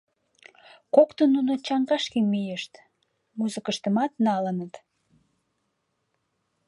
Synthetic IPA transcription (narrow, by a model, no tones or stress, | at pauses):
kokt̪ənːunot͡ɕɑŋɡɑʃkinmijeʃt̪ | muzəkəʃt̪əmɑt̪nɑlənət̪